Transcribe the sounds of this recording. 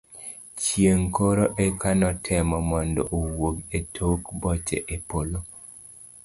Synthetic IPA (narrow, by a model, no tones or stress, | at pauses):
t͡ʃjeŋkoɾoʔekanɔtʰɪmɔmɔndɔʔowoɡetʰokbɔt͡ʃɛ̰ʔepolo